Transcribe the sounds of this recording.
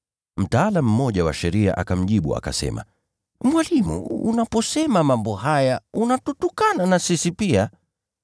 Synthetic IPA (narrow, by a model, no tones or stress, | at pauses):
m̩taalamm̩ːɔʄawa̰ʃɛɾia̰ʔakam̩ʄiɓua̰ka̰sɛ̰ma̰ | mwalimṵṵnapɔsɛmamambɔɦajaunatutukananasisipia